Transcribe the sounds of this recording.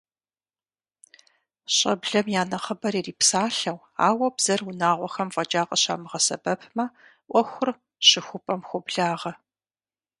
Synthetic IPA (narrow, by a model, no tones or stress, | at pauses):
ɕʼɐ̰bɮɐmjaːnɐχəbɐɾiriːpsaːɬɐw | a̰ːwɐbz̥ɐrwʊnaːʁʷɔxɐmfʼɐd͡ʒaːqʼɐɕa̰ːmɨʁɐsɐ̰bɐpʰmɐʔʷɔxʷʊr | ɕɪxʷʊpʼɐmxʷʊbɮaːʁɐ